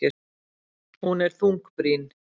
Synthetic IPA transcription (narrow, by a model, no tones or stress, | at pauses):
ɪ | hunɛɾ̥θuŋkpɾin